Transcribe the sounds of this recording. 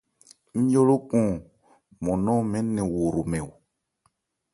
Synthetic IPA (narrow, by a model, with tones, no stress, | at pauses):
n̩˦jo˦lo˦kɔ̃˨ | mɔ̃˨nɔ̃˦mɛ˦nɛ̃˨wo˨ɾo˨mɛ˨w